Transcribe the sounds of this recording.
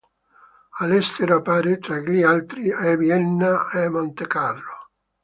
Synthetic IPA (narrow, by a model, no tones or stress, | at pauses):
alɛst̪eɾoapaːɾet̪ɾaɡlialt̪ɾiavjɛnːaemont̪ekarːo